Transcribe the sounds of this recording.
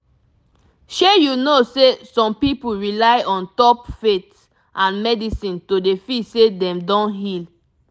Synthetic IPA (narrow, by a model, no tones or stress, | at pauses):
ʃejunosesɔ̃mpipuɹilaɪʔɔ̃ntɔpfet | ʔãnmɛdisĩntodefisedɛ̃mdɔ̃nɦil